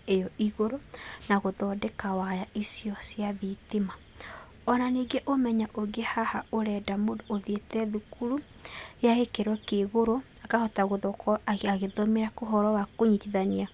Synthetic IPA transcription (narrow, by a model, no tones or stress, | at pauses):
ejɔiɣoɾonaɣoðɔdɛkawajaisiɔsjaðitema | ɔnaniɡɛʔomɛɲaʔoɡehahaoɾɛdamodoðetɛðukuɾu | ejaɣekeɾwɔkeɣoɾo | akahɔtaɣoðɔkʰɔaɣeðɔmeɾakoɦɔɾɔwakoɲitiðania